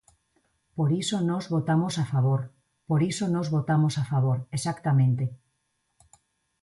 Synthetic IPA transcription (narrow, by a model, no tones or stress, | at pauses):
poɾisonɔzβot̪amosafaβ̞oɾ | poɾisonɔzβot̪amosafaβ̞oɾesakt̪amẽnt̪e